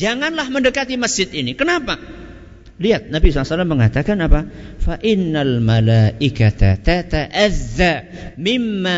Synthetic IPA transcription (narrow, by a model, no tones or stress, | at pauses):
d͡ʒaŋanlahməndəkat̪iməsd͡ʒɪt̪inikənapa | liat̪̚nabis̬ɔlasalamːəŋat̪akanapafaʔɪnːalmalaʔɪkat̪a̰t̪at̪aʔaðːamɪmːa